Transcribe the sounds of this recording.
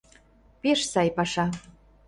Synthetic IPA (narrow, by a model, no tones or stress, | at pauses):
peʃsɑjpɑʃɑ